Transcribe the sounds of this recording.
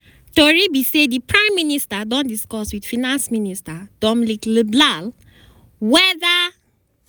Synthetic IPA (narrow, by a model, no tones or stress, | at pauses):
tɔɹibisedipɹãɪ̃mːinistadɔ̃ndiskɔswid̥finãnsministad̥ɔmlikləblal | wɛða